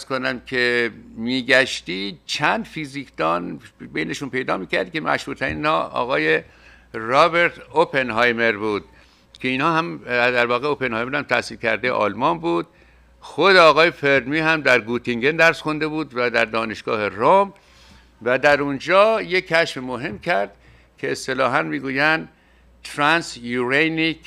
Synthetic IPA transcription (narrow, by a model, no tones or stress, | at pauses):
æz̥kʰonæmkʲʰemiːɡæʃt̪iːt͡ʃʰænd̪fiːzikʰd̪̥ɒːnbejne̞ʃunpe̞jd̪ɒːmiːkʰæɾd̪kʲcʰe̞mæ̰ʃɾuːt̪ʰæɾḭniːnhɒ̰ːɒ̰ːɣɒːje | rɒːbe̞ɾt̪opʰe̞nɦɒːjme̞ɾbuːd̪̥̚ | kʰeiːnhɒːhæmd̪æɾvɒːɣeope̞nhɒːjmeɾhæmt̪ʰæsiːlkʲʰæ̰ɾd̪ḛʔɒ̰ːlmɒːnbuːd̪̚ | xod̪eɒːɣɒːjefeɾd̪miːhæmd̪æɾɡuːt̪ʰiŋɟend̪æɾsxond̪e̞buːd̪væd̪æɾd̪ɒːne̞ʃɡ̥ɒ̰ːherom | væd̪æɾund͡ʒɒːjeːæʃfemoɦe̞mkʰæɾd̪̥ | kʰeːst̪e̞lɒːɦænmiːɡuːjænd̪ | t̪ʰɾænsjuɾejni